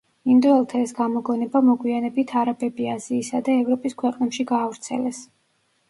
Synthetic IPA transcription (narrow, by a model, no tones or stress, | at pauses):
ind̪ɔɛlˠt̪ʰaɛsɡamɔɡɔnɛbamɔɡwianɛbit̪ʰaɾabɛbiaziːsad̪aɛvɾɔpʼiskʰwɛqʼnɛpʃiɡaːvɾt̪sʰɛ̰lɛs